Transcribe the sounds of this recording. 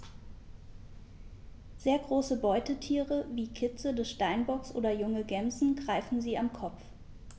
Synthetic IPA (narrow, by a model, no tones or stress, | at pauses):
z̥eːɐɡʁoːsəbɔʏtətʰiːʁəviːkʰɪt͡sədɛsʃtaɪnbɔksʔo̰ːdɐjʊŋəɡɛmzn̩ɡʁaɪfn̩ziːamkʰɔp͡f